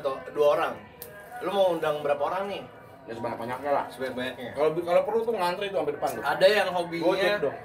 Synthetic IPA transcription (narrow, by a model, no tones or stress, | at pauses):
t̪oduaoɾaŋ | lomawundaŋbəɾapaoɾaŋnɪ | dasəbaɲak̚baɲak̚ɲala̰səbaɲabaɲak̚ɲakalobikalopərlut̪uŋant̪ɾait̪uampedəpant̪ʊadajaŋɦobiɡɛkdɔ